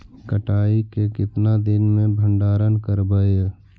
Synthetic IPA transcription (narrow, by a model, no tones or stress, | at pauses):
kəʈaːikekɪt̪nad̪ɪnmẽbʱə̃ɳɖaːɾənkəɾbəe